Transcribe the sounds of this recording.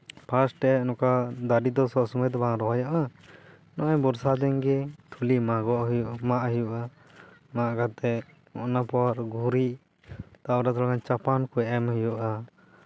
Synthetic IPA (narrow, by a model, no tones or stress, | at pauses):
pʰasʈɛɛnɔkad̪aɖid̪ɔsɔʔsumɛt̪baŋɾɔɦajaʔa | nɔʔɛbɔɾsad̪ɛŋɡɛt̪ʰulimaɡɔʔɦjuʔmaʔɦɛjuʔa | maʔɡat̪ɛ | ɔʔnapɔwaɾɡʱuɾiʔ | t̪awɾat̪ʰɔlakant͡ʃapankuɛʔɛmhijuʔa